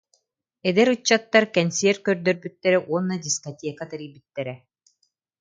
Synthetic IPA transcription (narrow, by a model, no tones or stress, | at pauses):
ɛd̪ɛɾut͡ɕːat̪ːaɾkɛnseɛɾkœɾd̪œɾbyt̪ːɛɾɛʔuɔnːɐd̪ʲiskɔt̪ʲeːkat̪aɾijbyt̪ːɛɾɛ